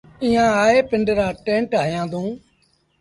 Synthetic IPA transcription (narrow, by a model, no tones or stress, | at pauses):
ĩːãːaːeːpɪɳɖɾaːʈẽːɳʈɦaːjãːd̪ũː